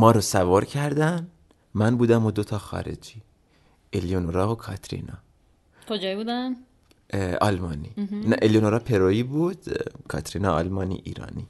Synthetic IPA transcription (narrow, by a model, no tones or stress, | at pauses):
mɒːɾosævɒːɾcʰæɾd̪æn | mænbuːd̪æmod̪ot̪ʰɒːxɒ̰ːɾḛd͡ʒi | elijonoɾɒːokʰɒ̰t̪ʰɾḭnɒ̰ː | kʰod͡ʒɒːjbuːd̪æn | ɒ̰ːlmɒːniːnæʔelijonoɾɒːpʰeɾoiːbuːd̪̥kʰɒ̰ːt̪ɾiːnɒːɒ̰lmɒːnḭʔiːɾɒ̰ːniː